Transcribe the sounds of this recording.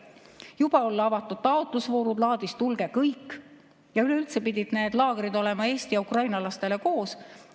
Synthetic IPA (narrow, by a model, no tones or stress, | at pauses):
jub̥ɑo̞lːɑvɑt̪ːˑud̪̥̚t̪ɑo̞t̪ˑlusvo̞ːɾud̪lɑːd̪̥ist̪ulɡ̥e̞kɤjkː | jɑyle̞ylt̪se̞pid̪ʲid̪̥ne̞ːd̪̥lɑːɡ̥eɾid̪o̞le̞mɑe̞ːst̪ijɑukrɑjnɑlɑst̪e̞le̞ko̞ːs